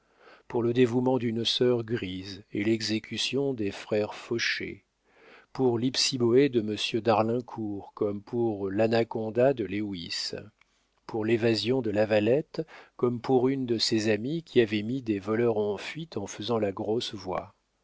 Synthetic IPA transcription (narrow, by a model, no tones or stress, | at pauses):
puʁləd̪evumɑ̃d̪ynsœʁɡʁizelɛɡzekʲysjɔ̃d̪efχɛʁfɔʃḛ | puʁlipsiboed̪əməsjød̪aʁlɛ̃kʰuʁkɔmpʰuʁlanakɔ̃d̪ad̪əlewis | puʁlevazjɔ̃d̪əlavalɛt̪kɔmpuʁynd̪əsezamikʲiavɛmid̪evɔlœʁɑ̃fɥit̪ɑ̃fəzɑ̃laɡʁosvwa̰